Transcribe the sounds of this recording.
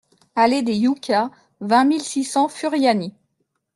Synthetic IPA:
aled̪ejukʲa | vɛ̃milsisɑ̃fyʁjani

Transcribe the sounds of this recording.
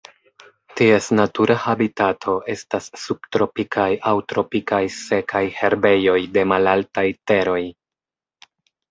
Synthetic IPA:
tie̞snatuɾʔahabitatʰo̞ʔe̞stasːubtɾo̞pikʰajʔawtɾo̞pikajse̞kʰajhe̞ɾbe̞jo̞jde̞malaltajte̞ɾo̞j

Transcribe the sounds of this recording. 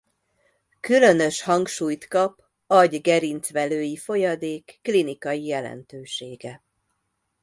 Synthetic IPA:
kylø̞nø̞ʃhɒŋkʃuːjt̪kɒp | ɒɟɡɛɾint̪sʋɛløːjifo̞jɒd̪eːkːlinikɒjijɛlɛ̰nt̪øːʃeːɡɛ

